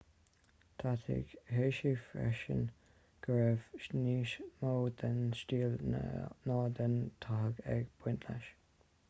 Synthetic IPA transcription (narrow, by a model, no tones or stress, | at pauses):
t̪ʰat̪ʰɪ̰ɡ̥heːʃifɹɛ̰ʃə̰n | ɡ̥əɹɛv̥ʃniːʃmoːd̪ənʃtiːl̰nɑːd̪ənt̪ʰaɦəɡɛ̰ɡb̥wɪnt̪ʰla̰ʃ